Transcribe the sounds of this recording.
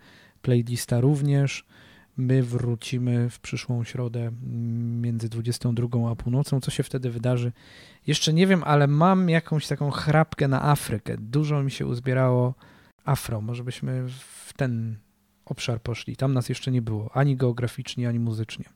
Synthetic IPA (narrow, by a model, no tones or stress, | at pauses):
plɛjlʲist̪aɾuvɲɛʂ | mɘvɾut͡ɕimɘfpʂɘʂwɔ̃w̃ɕɾɔd̪ɛ | mʲjɛnd̪zɘd̪vud͡ʑɛst̪ɔ̃w̃d̪ɾuɡɔ̃w̃apuwnɔt̪sɔ̃w̃t̪ɔɕɛft̪ɛd̪ɘvɘd̪aʐɘ | jɛʂt͡ʂɛɲɛvʲjɛmʔalɛmamjakɔ̃w̃ɕt̪akɔ̃w̃xɾapkɛna̰ʔafɾɘkɛ̰d̪uʐɔmʲiɕɛ̰ʔṵzbʲjɛɾawɔ | afɾɔ̃mɔʐɛbɘɕmɘft̪ɛn | ɔpʂaɾpɔʂlʲḭt̪amnasjɛʂt͡ʂɛɲɛbɘwɔʔaɲiɡɛɔɡɾafʲit͡ʂɲɛaɲimuzɘt͡ʂɲɛ